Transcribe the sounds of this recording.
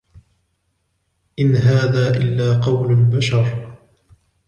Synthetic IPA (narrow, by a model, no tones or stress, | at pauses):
ʔɪnɦaːðaːʔɪlːaːqɑwlbaʃɑɾˤ